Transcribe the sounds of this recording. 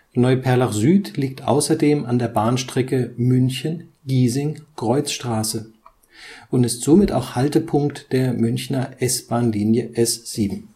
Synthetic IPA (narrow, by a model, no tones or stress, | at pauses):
nɔʏpʰɛɐlaχzyːtliːk̚tʔa̰ʊsɐdeːmandeːɐbaːnʃtʁ̥ɛkəmʏnçən | ɡiːzɪŋkʁ̥ɔʏt͡sʃtʁ̥aːsə | ʔʊntɪstz̥oːmɪta̰ʊxhaltəpʰʊŋktd̥eːɐmʏnçnɐʔɛsb̥aːnliːnjəʔɛsz̥iːbm̩